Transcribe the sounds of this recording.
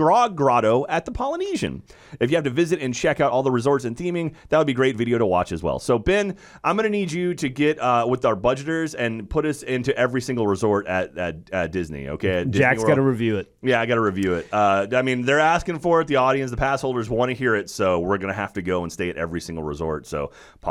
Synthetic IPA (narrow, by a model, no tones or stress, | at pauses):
ɹɑɡɹɑɾoʊʔɨt̪̚ðəpʰɑlˠəniʒɨ̰̃n | ɨfjɨhæftɨvɪzɨɾɨ̃nt͡ʃʰɛkaʊɾɔlˠðəɹɨzɔɹtsɨ̃nθĩmɪ̃ŋðæt̚wəd̚biɡɹeɪtvɪɾioʊɾəwɑ̰t͡ʃɨzwɛ̰lˠsoʊbɛ̃n | ãɪ̃mɡʌnɨnid͡ʒɨɾɨɡɛt̚ʌwɨðaʊə˞bʌd͡ʒɨɾə˞zɨ̃npʰʊɾʌsɪ̃ntʉʔɛvɹisɪ̃ŋɡl̩ˠɹəzɔɹɾɨt̚ɨt̚ɨt̚d̥ɪznḭo̰ʊkʰeɪdd͡ʒækɡɑɾɨɹivjʉɪt̚jæaɪɡɑɾəɹivjʉɪt̚ʌaɪmĩnðə˞æskɪ̃ŋfə˞ɨt̪̚ðiɔɾiɨ̃ns̬ðəpʰæshoʊlˠdə˞zwɑ̃ñɨɦiɹɪtsoʊwɪɹɡʌnɨɦæ̰ftɨɡoʊə̃nsteɪɨɾʔɛ̰vɹisɪ̃ŋɡl̩ˠɹəzɔ̰ɹtsoʊ | pʰ